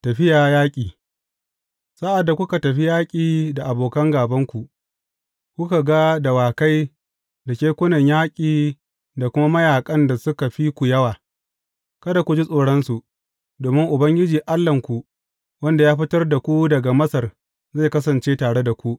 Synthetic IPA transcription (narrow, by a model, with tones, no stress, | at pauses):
tɐ˨ɸɪ˦jaː˨jaː˦kʲʼiː˨ | sa˦ʔa˨dːa˨kʷʊ˦ka˨tɐ˨ɸi˦jaː˦kʲʼiː˨da˨ʔa˨boː˨kɐ˦ŋɡaː˨bɐ˦ŋkʷu˨ | kʷu˦ka˨ɡa˦da˨waː˨ka˦j | da˨kʲeː˦kʷʊ˦nɐ˨ɲjaː˦kʲʼiː˨ | da˨kʷʊ˦ma˦mɐ˦jaː˨kʼɐ˦nda˨sʊ˦ka˨ɸi˦kʷu˨jɐ˦waː˨ | kɐ˦da˨kʷu˨d͡ʒi˦sʼoː˨ɽɐ˦nsu˨ʔ | doː˨mɪ˦ŋʔʊ˨bɐ˦ŋɡʲɪ˦d͡ʒiː˨ʔa˦lːɐ˨ŋkʷu˨ | wɐ˦nda˨jaː˦ɸɪ˦tɐ˦rda˨kʷu˦dɐ˨ɡa˨mɐ˦sɐ˨r | za˦˨kɐ˦sɐ˨nt͡ʃeː˦taː˨ɽe˦da˨kʷu˦ʔ